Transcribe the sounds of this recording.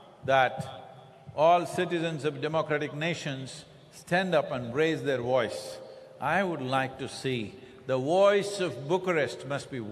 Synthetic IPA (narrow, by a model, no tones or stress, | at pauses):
d̪æʈ | ɔːlsɪʈɪzə̃nzɔvɖɛmokɾæʈɪkneːʃə̃nz̥ | sʈæ̃nɖʌpə̃nɾeɪzd̪eɾʋɔɪs | ʔaɪʋʊɖlaɪk̚ʈusi | d̪əʋɔɪsɔvbʊkəɾɛsʈmʌsʈ̚bi